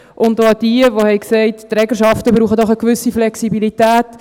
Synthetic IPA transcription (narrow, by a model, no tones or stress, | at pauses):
ʔʊntoɑd̥iəʋohɛɪksɛɪttɾɛɡəʃɑftəbɾuːχədɔχəkʋʏsiflɛksibilitæːt